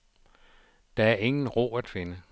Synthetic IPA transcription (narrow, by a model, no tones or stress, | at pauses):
d̥ɑ̈æɐe̝ŋn̩ʁo̝̰ːæd̥fe̝nə